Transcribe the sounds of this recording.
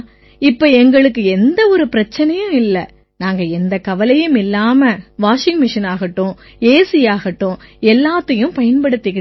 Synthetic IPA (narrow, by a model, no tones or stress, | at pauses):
ɪpːoːɛŋɡɐɭɯkːɯɛnd̪ɐɔɾɯpɪɾɐt͡ʃːɐnɐjɯ̃ɪlːɐ | naːŋɡɐɛnd̪ɐkɐʋɐlɐjɯmɪlːaːmɐʋaːʂɪŋɡmɪʂɐnaːɣɐʈːʊ̃ | eːsɪjaːɣɐʈːʊ̃ɛlːaːt̪ːɐjɯ̃mpɐjɐnpɐɽɯt̪ːɪkɪ